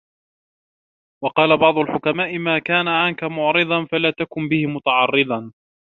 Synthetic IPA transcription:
wɑqɑːlabɑʕd̪ˤʊlħʊkamaːʔɪmaːkaːnaʕankamʊʕɾɨd̪ˤɑnfalaːt̪akʊmbɪhɪmʊt̪aʕɑrːɨd̪ɑ

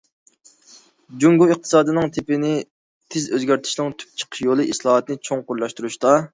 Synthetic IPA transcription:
d͡ʒuŋɡuɨq̚t̪ʰɨ̥sɑːd̪ɨnɨŋt̪ʰɪpɪnɪ | t̪ʰɪzøzɡʲæɾt̪ʰɪ̥ʃnɨŋt̪ʰy̥p̚t͡ʃʰə̥qʰʃjolˠɨʔislˠɑːɦɑt̪nɨt͡ʃʰoŋqʊɾlˠɑʃt̪uɾuʃt̪ɑ

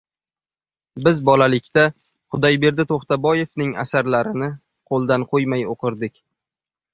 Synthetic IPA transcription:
bɪzbɒlalɪkʲt̪a | qʊd̪ajbe̞ɾd̪ɪt̪ʰoχt̪abɒje̞fnɪŋa̰saɾlaɾɪnɪ | qʰolˠd̪anqʰojmajoqʰɨɾd̪ɪkʲ

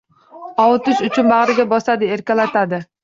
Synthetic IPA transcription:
ɒwʊt̪ɪʃʊt͡ʃʰʊnbaʁɾɪɡʲabɒsad̪ɪe̞ɾkʲalat̪ʰad̪ɪ

